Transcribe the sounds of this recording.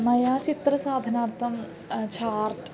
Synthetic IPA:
mɐjaːt͡ʃit̪ɾɐsaːd̪ʱɐnaːɾt̪ʰɐm | t͡ʃʰaːɾʈ

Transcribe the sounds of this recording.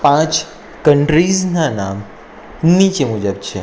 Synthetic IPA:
pãt͡ʃ | kəɳʈɾiznanam | nit͡ʃemʊd͡ʒəbt͡ʃʰḛ

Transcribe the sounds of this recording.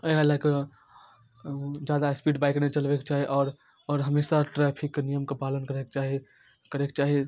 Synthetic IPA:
əalake | d͡ʒjad̪aspiːɖbaɪknet͡ʃəlbɛkt͡ʃaːɦiʔɔːɾ | ɔːɾɦəmesaʈɾɛpʰiknijəmkepalənkəɾekt͡ʃaɦi | kəɾekt͡ʃaːɦi

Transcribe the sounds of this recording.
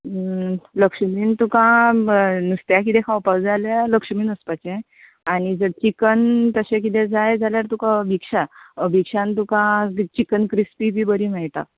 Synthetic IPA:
ləkʂmiːnt̪ukã | nust̪jakit̪ɛ̃kʰãwpawd͡zaljaləkʂmiːnəspat͡ɕẽ | aɽ̃id͡zəɽt͡ɕikənt̪əɕẽk̬it̪ɛ̃d͡zajd͡zaljaɾt̪ukãəbʱikʂaəbʱikʂãnt̪ukãt͡ɕikənkɾispibʱiːbəɾiːm̤ɛɭʈ̪a̰

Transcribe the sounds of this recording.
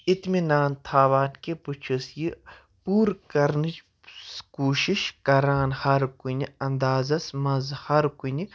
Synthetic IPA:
it̪minaːnt̪ʰaːʋaːnkeput͡ʃʰisji | puːɾkɐɾnit͡ʃ | skuːʃiʃkɐɾaːnhɐɾkunʲiɐnd̪aːzɐsmɐzhɐɾkuni

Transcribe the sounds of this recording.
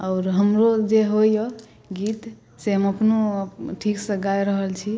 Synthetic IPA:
ɔʊɾɦəmɾod͡ʒeɦojo | ɡit̪ | seɦəməpnuʈʰiksəɡajɾəɦəlt͡ʃʰi

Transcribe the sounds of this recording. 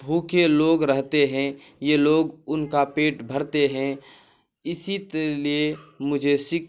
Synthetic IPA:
bʱuːkeloːɡɾəɦt̪eɦɛ̃ | jeloːɡʊnkapeːʈbʱəɾt̪eɦɛ̃ | ɪsit̪liemʊd͡ʒʱesɪk

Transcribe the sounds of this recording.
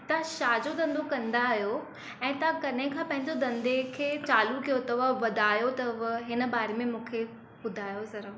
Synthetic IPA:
t̪ɐʃaːd͡ʑod̪ɐ̃nd̪okɐ̃nd̪aɦijo | ɛ̃ːt̪ɐkɐnẽkʰãːpɐ̃ɦɪ̃ɲd͡ʑod̪ɐ̃nd̪ʱekʰeːt͡ɕaːlukijot̪ɐʋəʋɐd̪ʱaːjot̪ɐʋɦɪnə̆baːɾemẽmũːkʰe | bʊd̪ʱaːjosɐɾə

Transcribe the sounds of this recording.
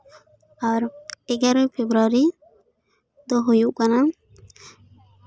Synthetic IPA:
aɾɛɡaɾɔjpʰebɾaɾi | d̪ɔɦujuʔkana

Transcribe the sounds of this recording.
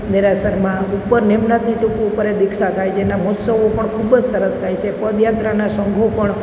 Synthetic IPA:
nɪɾasəɾmãupːəɾnemnat̪niʈukuupəɾed̪ɪkʃat̪ʰajd͡ʒenamɔsəʋopəɳkʰubd͡ʒsəɾəst̪ʰajt͡ʃʰepəd̪jat̪ɾanasəŋɡʱopəɳ

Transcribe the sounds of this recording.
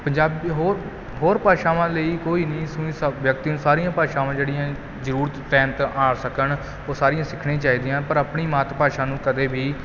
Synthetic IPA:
pəɲd͡ʒaːbiːɦoːɾ | ɦoːɾpaːʃaːʋãːləiːkoːiːnĩːsʊ̃ĩːsʋjək̚t̪iːũːsaːɾijãːpaːʃãːʋãːd͡ʒeːɽɪjãː | zəɾuːɾt̪tɛːmt̪aːsəkən | oːsaːɾɪjãːsɪkʰɽẽːt͡ʃaːiːd̪ɪjãːpəɾəpɳiːmaːt̪ːpaːʃaːnũːkəd̪eːbʱiː

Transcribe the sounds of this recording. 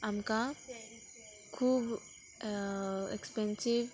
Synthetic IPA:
amka | kʰuːb | ekspɛ̃nsiʋ

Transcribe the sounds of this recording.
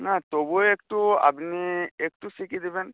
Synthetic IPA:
nat̪obuekʈua̰bniek̚ʈusikid̪iben

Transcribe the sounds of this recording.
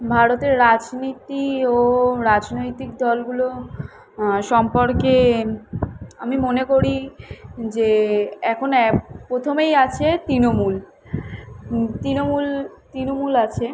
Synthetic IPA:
bʱaɾot̪eɾːad͡ʑnit̪ioɾad͡ʑnojt̪ikd̪ɔlɡulo | ʃɔmpoɾke | amimonekoɾi | d͡ʑeɛkʰonɛpɾot̪ʰomejat͡ɕʰet̪ɾinomul | t̪ɾinomult̪ɾinomulat͡ɕʰe

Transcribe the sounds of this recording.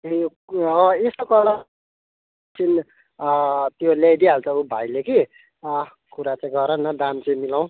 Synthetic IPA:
e | ʌesokʌla | t͡sʰin | t̪joljajd̪iɦalt͡sʰʌubʱajleki | kuɾat͡sãĩɡʌɾʌnʌd̪ant͡saj̃milaw̃

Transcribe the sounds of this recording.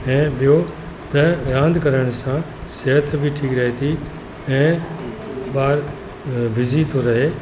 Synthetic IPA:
ɛ̃ːɓijo | t̪ɐɾãːnd̪ʱkɐɾəɽ̃sã | seɦət̪ʰbʱiʈʰiːkɾɐɦet̪ʰi | ɛ̃ː | baːɾ | bʱɪzit̪ʰoɾɐɦeː

